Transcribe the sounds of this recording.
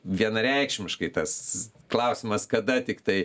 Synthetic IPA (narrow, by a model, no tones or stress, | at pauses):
ʋʲiɛnɐɾʲɛɪkʃʲmʲɪʃkɐɪt̪ɐsklˠɐʊsʲɪmɐskɐd̪ɐt̪ʲɪkt̪ɐɪ